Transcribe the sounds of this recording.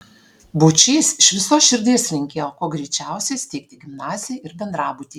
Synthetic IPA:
but͡ʃʲɛːsɪʃʋʲɪsoːsʃʲɪɾʲd̪ʲeːslʲɪŋʲkʲeːjoːkoːɡɾʲɛɪt͡ʃʲæˑʊsʲeːst̪ʲɛɪk̚ʲt̪ʲɪɡʲɪmnɑːzʲɪjɛɪɾbʲɛnd̪ɾɑːbʊt̪ʲiː

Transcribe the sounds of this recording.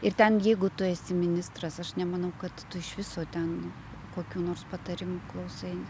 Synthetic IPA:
ɪrt̪ʲɛnjɛɪɡʊt̪ʊɛsʲɪmʲɪnʲɪst̪rɐsɐʃnʲɛmɐnɐʊkɐt̪tʊɪʃʋʲɪsoːt̪ʲɛn | koːkʲuːnoːrspɐt̪ɐɾʲɪmuklˠɐʊsɐɪn

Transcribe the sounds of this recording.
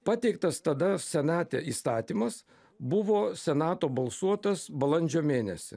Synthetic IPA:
pɑːt̪ʲɛɪk̚t̪ɐst̪ɐd̪ɐsʲɛnɑːt̪ʲḛiːst̪ɑːt̪ʲiːmɐs | bʊʋoːsʲɛnɑːt̪oːbɐlˠsuɔt̪ɐsbɐlˠɐnʲd͡ʒʲoːmʲeːnʲɛsʲɪ̰

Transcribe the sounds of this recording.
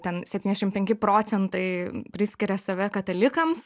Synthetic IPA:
t̪ʲɛnsʲɛpʲt̪ʲinʲdʲɛʃɪmpʲɛŋʲkʲɪpɾoːt̪sʲɛnt̪ɐɪpʲɾʲɪsʲkʲɪɾʲɛsɐʋʲɛkɐt̪ɐlʲɪkɐms

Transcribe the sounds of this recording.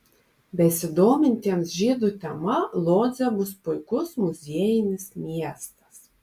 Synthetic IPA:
bʲɛsʲɪd̪ɔːmʲɪnʲt̪ʲiɛnsʒʲiːd̪ut̪ʲɛmalˠɔːd̪zʲɛbuspʊjkʊsmuzʲiɛjinʲɪsmʲiɛst̪ɐ̥s

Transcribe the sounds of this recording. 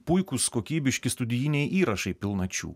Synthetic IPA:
pʊjkuskoːkʲiːbʲɪʃʲkʲɪst̪ʊd̪ʲɪjinʲɛɪʔiːɾɐʃɐɪpʲɪlˠnɐt͡ʃʲṵː

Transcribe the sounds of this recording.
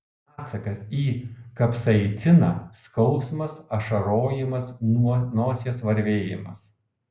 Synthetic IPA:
ɑːt̪sɐkɐsiːkɐpsɐɪt̪ʲɪnɑːskɒʊsmɐsɐʃɐɾoːjɪmɐsnuɔnoːsʲɛsʋɐɾʲʋʲeːjɪ̰mɐ̰s

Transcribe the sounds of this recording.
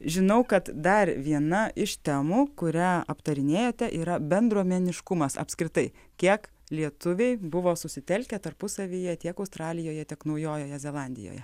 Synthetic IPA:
ʒʲɪnɐʊkɐt̪d̪ɐrʋʲiɛnɐʔɪʃt̪ʲæmuːkʊɾʲæːɐpt̪ɐɾʲɪnʲeːjoːt̪ʲɛʔiːɾɐbʲɛnd̪ɾuɔmʲɛnʲɪʃkʊmɐsɐ̰pʲsʲkɾʲɪt̪ɐɪ | kʲiɛk | lʲiɛt̪ʊʋʲɛɪbʊʋoːsʊsʲɪt̪ʲɛlʲkʲɛt̪ɐrpʊsɐʋʲiːjɛt̪ʲiɛkɐʊst̪ɾɑːlʲɪjoːjɛt̪ʲɪɛknɐʊjoːjoːjɛzʲɛlˠɑːnʲd̪ʲɪ̰jo̰ːjɛ

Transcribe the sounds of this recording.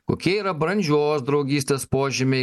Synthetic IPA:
ko̰ːkʲiɛiːɾɐbɾɐnʲd͡ʒʲuɔoːsd̪ɾɒʊɡʲiːsʲt̪ʲeːspoːʒʲɪmʲɛɪ

